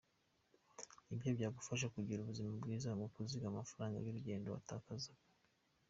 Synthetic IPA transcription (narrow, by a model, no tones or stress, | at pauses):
ibjo̞bjaːɡufaʃ̬akuɟiɾuβuzimabɡiːzamukuziɡamafaɾaːŋɡa̰juɾuɟe̞ːndo̞wa̰taːkazak